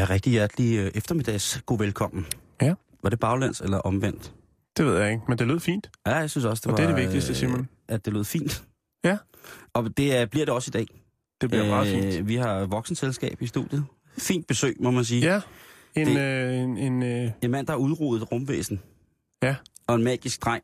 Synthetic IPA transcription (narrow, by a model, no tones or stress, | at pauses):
jæʁɛɡ̥̚d̥ijæɐd̥liøʔefd̥ɐmid̥ɛ̰ɪsɡ̥o̝̰ːʋelkʰɒ̽m̰n̩ | ʋɑ̈ɾ̥e̝b̥ɑ̈ʊlæn̰d̥elɐʔɒ̽mʋen̰d̥ | d̥eʋe̝ð̞̰ˠjɑ̈eɡ̥mend̥e̝lo̝ð̰ˠfḭːnd̥jæjasynsɒ̽sd̥eʋɑ̥eɐdeʋeɡd̥isd̥əsiːɐmæn | æd̥e̝lo̰ːð̰ˠfḭːnd̥ | jæ | ɒ̽d̥e̝b̥liɐɾ̥e̝ɒ̽sid̥ɛ̰ː | d̥eb̥iɐɑ̈ːḭʋihɑ̈ʋɒ̽ɡ̥sn̩selsɡ̥ɛ̰ːb̥isd̥ṵd̥jəð̩ˠ | fḭːnd̥̚b̥e̝sø̰ːɪmɒ̽mæns̬iːæ | edenenmæn̰d̥ɑhɑ̈uð̞ˠʁṵːðð̩ˠʁɔmʋḛːsn̩ | jæɒ̽e̝nmɛːɡ̥isɡ̥̚d̥ʁɑ̈ŋ̰